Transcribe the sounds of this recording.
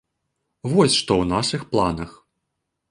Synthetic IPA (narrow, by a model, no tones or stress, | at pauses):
vɔsʲʂt̪ɔwnaʂɨxplˠanɐx